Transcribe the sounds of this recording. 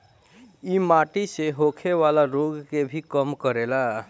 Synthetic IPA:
imaʈiseɦokʰeʋalaɾoɡkebʱikəmkəɾela

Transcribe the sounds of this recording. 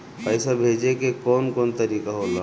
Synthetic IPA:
pəɪsabʱed͡ʒekekonkoːnt̪əɾikaɦola

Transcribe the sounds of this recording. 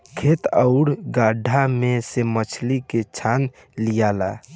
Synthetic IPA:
kʰeːt̪əʊɽɡaːɖʱamẽsemət͡ʃʰliket͡ʃʰaːn | lijaːla

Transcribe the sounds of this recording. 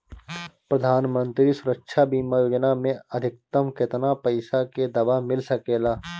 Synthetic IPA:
pɾɐd̪ʱaːnmə̃nt̪ɾisʊɾəkʃʰabiːmajoːd͡ʒnamẽɐd̪ʱɪk̚t̪əmkɪt̪napɐɪsaked̪ɐbamɪlsɐkeːlaː

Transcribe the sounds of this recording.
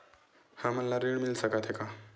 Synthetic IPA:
hãməlːaɾiɳmilsəkat̪ɦeka

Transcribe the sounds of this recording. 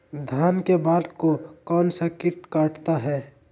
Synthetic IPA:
d̪ʱjaːnkebaːd̪kokɔːnsakɪʈkaːʈt̪aɦɛː

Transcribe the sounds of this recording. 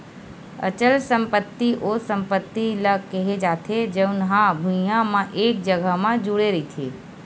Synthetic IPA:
ə̰t͡ʃəlsə̃mpət̪ːiʔosə̃mpət̪ːiləkeɦed͡ʒaːt̪ʰed͡ʒəʊnɦãbʱũjãmãʔeːk̚d͡ʒəɡəɦmãd͡ʒuɽeɾit̪ʰḛː

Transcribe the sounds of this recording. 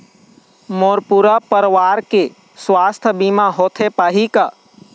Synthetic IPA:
moːɾpuɾapəɾʋaːɾke | swaːst̪ʰbiːmaɦoːt̪ʰepaːɦikaː

